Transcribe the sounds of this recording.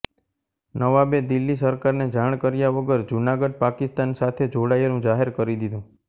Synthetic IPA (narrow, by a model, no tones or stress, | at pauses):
nəʋabed̪ilːis̬əɾkaɾned͡ʒaɽ̃kəɾjaʋəɡəɾd͡ʒunaɡəɖ̚pakist̪ansat̪ʰed͡ʒoɽajɾũd͡ʒaɦeɾkəɾid̪id̪ũ